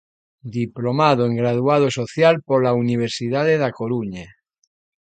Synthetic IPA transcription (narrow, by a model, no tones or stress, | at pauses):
d̪iplomaðoeŋɡɾað̞uað̞osoθjalpoɾlauniβ̞eɾsiðaðeðakoɾuɲa